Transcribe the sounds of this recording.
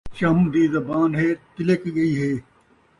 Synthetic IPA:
t͡ɕɐmd̪iːzɐbaːnɦeːt̪ɪlekɡɐiːɦeː

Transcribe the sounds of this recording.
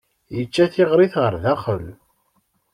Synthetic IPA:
jət͡ʃːæθɪʁɾˤiθʁəɾðæχəl

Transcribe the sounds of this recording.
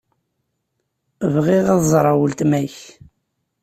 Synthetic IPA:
əvʁiʁɑðzˤɾˤɑwəlt̪mæç

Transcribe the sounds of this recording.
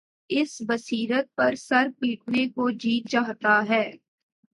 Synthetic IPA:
ɪsbəsiːɾət̪̚pɐɾsɐɾpiːʈ̚ʰnekod͡ʒiːt̪̚t͡ʃaːɦt̪aɦɛː

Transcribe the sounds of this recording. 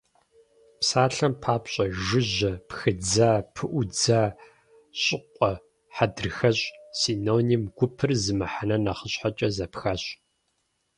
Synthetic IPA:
psaːɬɐmpʰaːpɕʼɐʒɪʑɐpxɨd͡zaːpʰɨʔʷʊd͡zaː | ɕʼɪqʷʼɔ | ħadɨrxɐɕʼsiːnoːnimɡ̥ʷʊpʰɨrzɨmɨħanɐnɐχəɕħat͡ʃʼɐzɐpxaɕʼ

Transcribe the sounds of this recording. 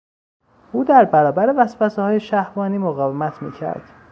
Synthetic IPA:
ʔuːd̪æɾbæɾɒːbæɾe̞væsfæsehɒːje̞ʃæhvɒːniːmoɣɒːvemæt̪ʰmḭːcʰæ̰ɾd̪̥

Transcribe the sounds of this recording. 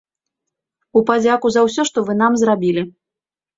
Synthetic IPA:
upad͡zʲakuzɐws̬ʲɔʂt̪ɔvɨn̪amzrabʲilʲi

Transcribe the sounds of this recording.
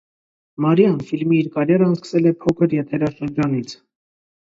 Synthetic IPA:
mɑɾjɑnfilmiːɾkɑɾɛɾəɑnskə̥sɛlɛpʰɔkʰəɾjɛt̪ʰɛɾɑʃəɾd͡ʒɑnit͡sʰ

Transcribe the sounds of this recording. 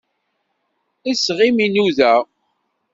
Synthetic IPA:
isʁiminuðæ

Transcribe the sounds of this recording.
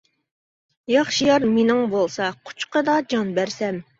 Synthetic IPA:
jɑχʃijɑɾmenɪŋbolˠsɑqʰʊ̥t͡ʃqəd̪ɑd͡ʒɑnbæɾsɛm

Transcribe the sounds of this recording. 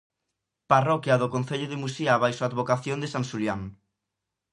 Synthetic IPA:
parɔkjaðokon̟θeʎʊðɪmusiaβajsoaːd̪βokaθjõnd̪esansuljaŋ

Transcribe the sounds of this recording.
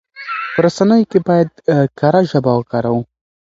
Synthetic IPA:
pəɾasanəjokebɑjad̪̚kaɾaʒabawəkɑɾawu

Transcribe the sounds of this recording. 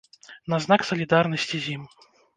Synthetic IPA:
naznaksɐlʲid̪arnɐsʲt͡sʲizʲim

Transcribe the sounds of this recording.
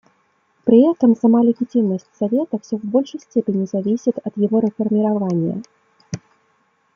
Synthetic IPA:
pɾɨɛt̪ɐmsamalʲɪɣʲit͡sʲimnɐsʲt͡sʲsavʲɛt̪ɐw̥sʲɔvbɔlʲʂəjsʲt͡sʲɛpʲenʲizavʲisʲit̪ɐt̪jaɣɔɾɛfɐrmʲiɾavanʲjɐ̰

